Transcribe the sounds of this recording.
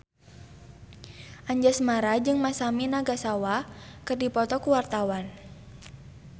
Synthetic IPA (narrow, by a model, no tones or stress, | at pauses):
ʔaɲd͡ʒasmaɾad͡ʒɨŋmasaminaɡasawakɨrdipɔt̪ɔkuwart̪awan